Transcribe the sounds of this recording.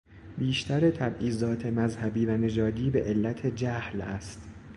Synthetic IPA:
biːʃt̪ʰæɾe̞t̪ʰæbʔiːzɒːt̪ʰe̞mæzhæbiːvæne̞d͡ʒɒːd̪iːbe̞ʔelːæt̪ʰed͡ʒæhlæst̪

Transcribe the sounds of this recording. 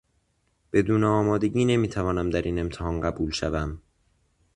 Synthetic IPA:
b̥e̞d̪uːneɒːmɒːd̪e̞ɟiːne̞miːt̪ʰævɒːnæmd̪æɾiːne̞mt̪ʰehɒːnɢæbuːlʃævæm

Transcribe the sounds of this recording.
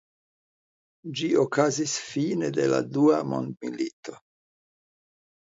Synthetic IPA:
d͡ʒiokazisfined̪ela̰d̪uamo̰nd̪milit̪o

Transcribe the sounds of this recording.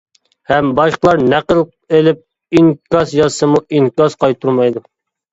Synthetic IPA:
hɛmbɑʃqəlˠɑɾnæqəlˠq | elɪp̚ | iŋkɑsjɑsɨmuiŋkɑzqʰɑjt̪ʰuɾmɑjd̪u

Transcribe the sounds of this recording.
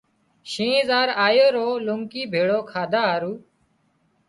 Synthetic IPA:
ʃĩːzaːɾaːjoːɾoːlʊŋkiːbʱeːɽoːkʰaːd̪ʱaːaːɾuː

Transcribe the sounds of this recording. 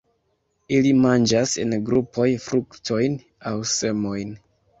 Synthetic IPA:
ilimand͡ʒase̞̰nɡɾupo̞jfɾukto̞jn | awse̞mo̞jn

